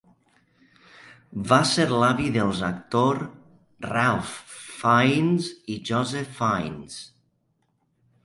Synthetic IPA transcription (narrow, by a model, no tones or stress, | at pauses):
baseɾlaβiðəlˠzak̚t̪oɾ | ralfːajnziʒɔzefajns